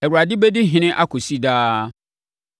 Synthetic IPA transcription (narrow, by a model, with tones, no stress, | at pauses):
ɛ˨wu˨ɾa˨dɪ˦bɛ˦di˦ɦɪ̃˦nɪ̃˦ʔa˦kʰʊ˨si˦daː˦